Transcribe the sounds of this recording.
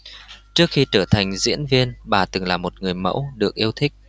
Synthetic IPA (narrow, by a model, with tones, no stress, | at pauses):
t͡ɕɨ˦˥ək̚xi˧t͡ɕəː˧˩t̪ʰa˨˩ŋ̟zḭ˧˥ənvi˧ənɓaː˨˩t̪ɨ˨˩ŋlaː˨˩mo˨˩t̚ŋɨ˨˩əjmə̰˧˥wɗɨ˨˩ək̚ʔi˧əwt̪ʰï˦˥k̚